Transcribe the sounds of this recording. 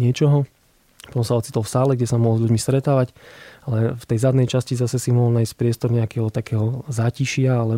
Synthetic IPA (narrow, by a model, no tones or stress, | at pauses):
ɲɪɛt͡ʃɔɦɔ | pɔt̪ɔmsaɔt̪t͡sit̪ɔlfsaːlɛɡɟɛsamɔɦɔlzʎuɟmist̪ɾɛt̪aːʋacalɛft̪ɛjzad̪nɛjt͡ʃascizasɛsimɔɦɔlnajisc̚pɾɪɛst̪ɔɾɲɛakɛːɦɔt̪akɛːɦɔzaːciʃɪaalɛ